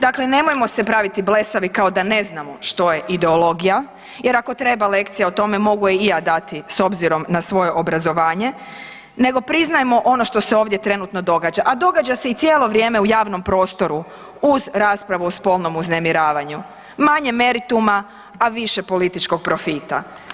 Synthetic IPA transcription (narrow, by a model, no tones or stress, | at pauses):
d̪akle̞ne̞mo̞jemo̞se̞pɾaʋit̪ible̞saʋikao̞d̪ane̞znamoʃt̪o̞je̞ʔid̪eolˠo̞ɡija | je̞ɾako̞t̪ɾe̞bale̞kt̪sijaot̪o̞me̞mo̞ɡujeijaːd̪at̪iso̞bziɾo̞mnasʋo̞jeʔobɾazo̞ʋaːɲe̞ | ne̞ɡo̞pɾiznajemo̞ʔo̞no̞ʃt̪o̞seo̞ːʋd̪jet̪ɾe̞nut̪no̞d̪o̞ɡaːd͡ʒaʔad̪o̞ɡad͡ʑase̞it̪sjeːlˠo̞ʋɾje̞ːmeujaːʋno̞mpɾo̞ːst̪o̞ɾu | uzɾaːspɾaʋuuspo̞lˠno̞muznemiɾaːʋaɲu | maɲe̞me̞ɾit̪uma | aʋiʃepo̞lit̪it͡ʃko̞ɡ̚pɾo̞fiːt̪a̰